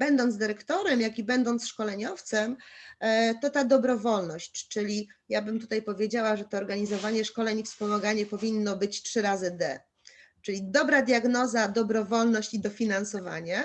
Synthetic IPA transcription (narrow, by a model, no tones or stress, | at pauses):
bɛnd̪ɔnd̪zd̪ɘɾɛkt̪ɔɾɛmjakʲibɛnd̪ɔnt̪sʂkɔlɛɲɔft̪sɛm | t̪ɔt̪ad̪ɔbɾɔvɔlnɔɕt͡ɕt͡ʂɘlʲijabɘmt̪ut̪ajpɔvʲjed͡ʑawaʐɛt̪ɔːɾɡaɲizɔvaɲɛʂkɔlɛɲifspɔmaɡaɲɛpɔvʲinːɔbɘt͡ɕtʂɘɾazɘd̪ɛ | t͡ʂɘlʲid̪ɔbɾad̪ʲjaɡnɔzad̪ɔbɾɔvɔlnɔɕt͡ɕid̪ɔfʲinansɔva̰ɲa